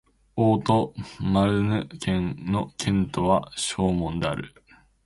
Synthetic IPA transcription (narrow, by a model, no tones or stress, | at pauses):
oːt̪o̞maɾɯ̟nɯ̟kʰẽ̞ŋno̞kʰẽ̞nt̪o̞βaɕo̞ːmõ̞nd̪e̞aɾɯ̟̰